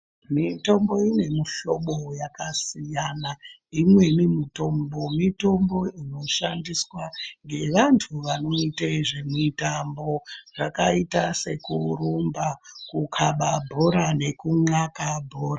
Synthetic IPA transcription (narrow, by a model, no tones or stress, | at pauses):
mito̞mbo̞ine̞muɬo̞ɓo̞jakasijana | imwe̞mimito̞mbo̞mito̞mbo̞ino̞ʃandiswaŋɡe̞ʋantʰuʋano̞itaiʐemitambo̞ʐakaitase̞kuɾumbakukʰaɓabʱoɾane̞kuŋakabʱoːɾa